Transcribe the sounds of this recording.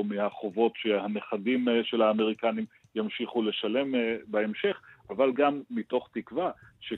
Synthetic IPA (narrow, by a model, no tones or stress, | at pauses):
mehaχovo̞tʃehane̞χadimʃe̞lhaːme̞ʁikanim | jamʃiχule̞ʃale̞mbaemʃe̞χʔavalɡamːito̞χt̪ikvaʃe